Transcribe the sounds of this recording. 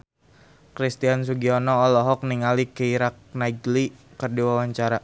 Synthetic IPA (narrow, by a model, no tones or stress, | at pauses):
kɾist̪ians̬uɡiɔnɔːlɔɦɔk̚niŋalikəiɾak̚naiɡlikərdiwawaɲt͡ʃaɾa